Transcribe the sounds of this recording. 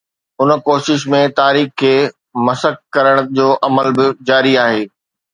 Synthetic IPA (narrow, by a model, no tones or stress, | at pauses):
ʊnkoːʃɪʃmẽt̪aːɾiːxkʰːeː | mɐsək̚kːɐɾəɽ̃d͡ʑoːʔɐməlbɪd͡ʑaːɾiaːɦeː